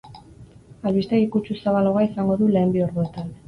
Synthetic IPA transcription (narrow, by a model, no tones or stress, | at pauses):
alβist̪e̞ɣikut͡ʃusaβalo̞ɣaisaŋɡo̞ðule̞ːmbio̞ɾðue̞t̪an